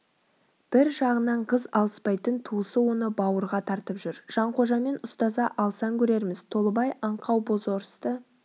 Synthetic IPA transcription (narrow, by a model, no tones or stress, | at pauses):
b̥ɪɾʒɑʁənɑɴqʰəzɑlˠəspɑjt̪ənt̪ʰusəwo̞nəbɑwəɾʁɑt̪ʰɑɾt̪əpʒʏɾʒ̥ɑɴqʰo̞ʒɑme̞nʊst̪ɑzɑʔɑlˠsɑŋkʲʰɵɾe̞ɾmɪz̥t̪ʰo̞lˠəbɑjʔɑɴqʰɑwbo̞zo̞ɾəst̪ə